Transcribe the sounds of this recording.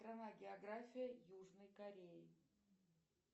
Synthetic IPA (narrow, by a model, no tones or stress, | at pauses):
tɾɐnaɡʲɪɐɡɾafʲɪjəjuʐnəjkɐɾʲejɪ